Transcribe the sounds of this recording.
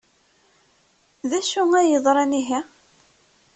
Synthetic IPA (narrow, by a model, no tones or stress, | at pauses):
ðæʃuŋæjəðˤɾˤɑniɦæ